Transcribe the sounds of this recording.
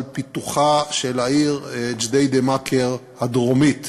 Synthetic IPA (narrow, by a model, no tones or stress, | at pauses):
lpit̪uχaʃelaiʁd͡ʒd̪ejd̪emakʰeʁ | had̪ʁomit̪